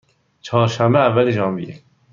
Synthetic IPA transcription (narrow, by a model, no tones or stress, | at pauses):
t͡ʃʰɒːɾʃæmbeævːæled͡ʒɒːmbḭe